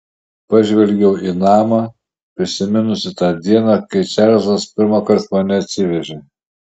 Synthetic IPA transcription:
pɐʒʲʋʲɛlʲɡʲɛʊʔinɑːmɑ | pʲɾʲɪsʲɪmʲɪnʊsʲɪt̪ɑːd̪ʲiɛnɑkɐɪt͡ʃʲæɾzɐspʲɪɾmɑkɐɾt̪mɐnʲɛɐt̪ʲsʲɪʋʲɛʒʲe

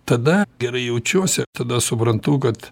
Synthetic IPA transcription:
t̪ɐd̪ɐɡʲɛɾɐɪjɛʊt͡ʃʲuɔsʲɛt̪ɐd̪ɐsʊpɾɐnt̪ʊkɐt̪

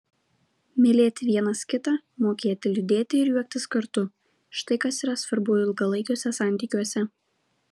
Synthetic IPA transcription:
mʲɪlʲeːt̪ʲɪʋʲiɛnɐskʲɪt̪ɑmoːkʲeːt̪ʲɪlʲʊd̪ʲeːt̪ʲɪɪɾjuɔk̚ʲt̪ʲɪskɐɾt̪ʊ | ʃt̪ɐɪkɐsiːɾɐsʋɐɾbʊjʊɪlˠɡɐlˠɐɪkʲoːsʲɛsɑˑnʲt̪ʲiːkʲuɔsʲɛ

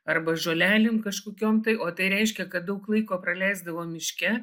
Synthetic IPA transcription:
ɐrbɐʒoːlʲæːlʲɪmkɐʃkoːkʲoːmt̪ɐɪʔoːt̪ɐɪɾʲɛɪʃʲkʲɛkɐt̪̚d̪ɐʊklˠɐɪkoːpɾɐlʲɛɪzd̪ɐʋoːmʲɪʃʲkʲɛ

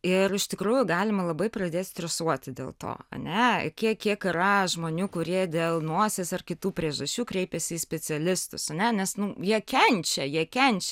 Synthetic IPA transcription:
ɪrɪʃt̪ʲɪkɾuːjʊɡɑːlʲɪmɐlˠɐbɐɪprɐd̪ʲeːt̪sʲt̪ʲɾʲɛsuɔt̪ʲɪd̪ʲḛːlˠt̪o̰ːɐ̰nʲɛ̰kʲiɛkʲiɛkɪɾɐʒmoːnʲuːkʊɾʲiɛd̪ʲeːlˠnuɔsʲeːsʲɐrkʲɪt̪uːpʲɾʲiɛʒɐsʲt͡ʃʲuːkɾʲɛɪpʲɛsʲɪːsʲpʲɛt͡s̪ʲɪɛlʲɪst̪ʊ̰sɐnʲɛnʲɛsnʊjiɛkʲɛnʲt͡ʃʲɛjiɛkʲɛnʲt͡ʃʲɛ

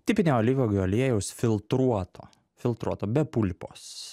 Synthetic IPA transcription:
t̪ʲɪːpʲɪnʲeːoːlʲiːʋʲoːɡʲɔːlʲɛjɛʊsʲfʲɪlˠt̪ɾuɔt̪ʰo̰ː | fʲɪlˠt̪ɾuɔt̪oːbʲɛpulʲpʲo̰ːs

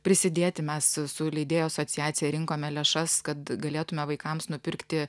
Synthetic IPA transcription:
pʲɾʲɪsʲɪd̪ʲeːt̪ʲɪmʲɛssʊlʲɛɪd̪ʲeːjoːɐsoːtsʲɪjæːt̪sʲɪjɛɾʲɪŋkoːmʲɛlʲɛʃɐskɐt̪ɡɐlʲeːt̪ʊmʲɛʋɐɪkɐmsnʊpʲɪɾkt̪ʲɪ

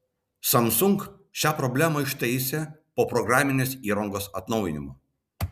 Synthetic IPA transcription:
sɐmsʊŋk | ʃʲæːpɾɔbʲlʲæːmɐɪʃt̪ɛɪsʲepoːpɾɔɡɾɑːmʲɪnʲeːsiːɾɐŋɡoːsɐt̪nɒʊjɪnʲɪmo

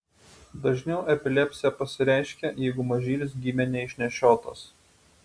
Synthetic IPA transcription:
d̪ɐʒʲnʲɛʊʔɛpʲɪlʲɛpʲsʲɪjɛpɐsʲɪɾʲæˑɪʃʲkʲɛjɛɪɡʊmɐʒʲiːlʲɪsɡʲiːmʲɛnʲɛɪʃʲnʲɛʃʲoːt̪ɐ̰s

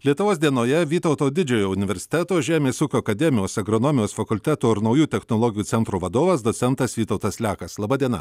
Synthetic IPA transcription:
lʲiɛt̪ʊʋoːsd̪ʲiɛnoːjɛʋʲiːt̪ɒʊt̪oːd̪ʲɪd͡ʒʲɛːjoːʊnʲɪʋʲɛɾʲsʲɪ̥t̪ʲæːt̪oːʒʲæːmʲeːsuːkʲoːɐkɐd̪ʲɛmʲɪjoːsɐɡɾɔnoːmʲɪjoːsfɐkʊlʲt̪ʲæːt̪uːɪɾnɐʊjuːt̪ʲɛxnolˠoːɡʲɪjuːɛnt̪ɾuːʋɐd̪oːʋɐsd̪osʲɛnt̪ɐsʋʲiːt̪ɔʊt̪ɐslʲæːkɐslˠɐːbɐːd̪ʲiɛnɐ̰

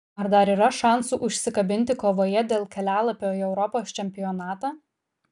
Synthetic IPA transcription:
ɐɾd̪ɐɾiːɾɐʃɑˑnsuʔʊʃʲsʲɪkɐbʲɪnʲt̪ʲɪkoːʋoːjɛd̪ʲeːlˠkʲɛlʲæːlˠɐpʲoːiɛʊɾɔpoːst͡ʃʲɛmʲpʲɪjɔnɑːt̪aː

